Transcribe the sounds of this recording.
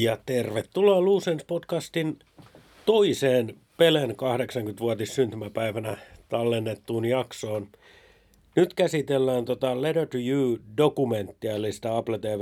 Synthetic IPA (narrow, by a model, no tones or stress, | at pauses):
jɑt̪erʋet̪ːulɑluːsenspotkɑst̪in | t̪oiseːn | pelenkɑhɾeksɑŋkyt̪ʋuot̪issynt̪ymæpæiʋænæt̪ɑlːenːet̪ːuːnjɑksoːn | nyt̪kæsit̪elːæːnt̪ot̪ɑleɾøt̪ujuːdokument̪ːiɑlːist̪æɑplet̪eːʋ